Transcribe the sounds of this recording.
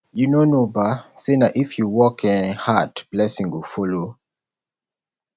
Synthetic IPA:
junonobasenaʔifjuwɔkʰɛ̃nhatb̥lɛsĩŋwifɔlo

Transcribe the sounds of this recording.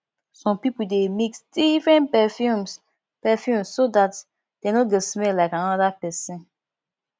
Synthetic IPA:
sɔ̃mpipudemiksd̥ifɹɛ̃npɛfjum | pɛfjũmssodat | d̥enot̚ɡɛsmɛlaɪkãnɔdapɛsɛ̃n

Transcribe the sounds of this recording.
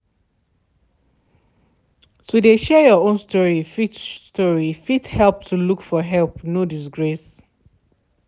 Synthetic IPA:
tudeʃɛjɔõnstɔɹifitstɔɹifithɛlˠp̚tʰulukfɔɦɛlpnodis̬ɡɹes

